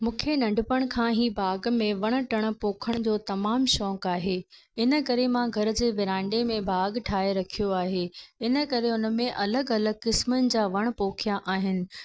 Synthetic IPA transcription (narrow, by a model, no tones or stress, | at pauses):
mũːkʰenɐ̃ɳɖɪpəɽ̃kʰãːɦiːbʱaːɡmẽʋɐɽ̃ə̆ʈɐɽ̃̆poːkʰəɽ̃d͡ʑoːt̪ɐmaːmʃɔ̃ːkaːɦeː | ɪnə̆kɐɾemãɡʱɐɾd͡ʑeːʋɪɾãːɳɖemẽbʱaːɡʈʰaːeɾɐkʰijoaːɦeːɪnə̆kɐɾeʊnə̆mẽʔɐləɡɐləɡ̚kɪsmənɪ̆d͡ʑaːʋɐɽ̃poːkʰijaʔaːɦɪnɪ̆